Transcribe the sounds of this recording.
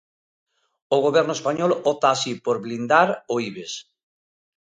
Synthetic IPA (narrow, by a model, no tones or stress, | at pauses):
oɣ̞oβɛɾnoespaɲolot̪aːsipoɾβlind̪aɾoiβes